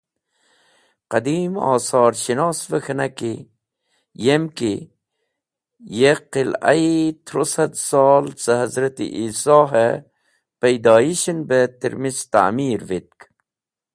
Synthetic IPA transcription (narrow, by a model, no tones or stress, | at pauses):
qɐd̪iːmɑ̰ːsɑːɾɕinɑːsvəxɐnaki | jemki | jeqila̰it̪ʰɾosɐd̪sɑːlt͡səɦɐzɾɐt̪ḭʔiːsɑːɦə | pɐjd̪ɑːiɕinbət̪iɾmist̪a̰miːɾvit̪̚k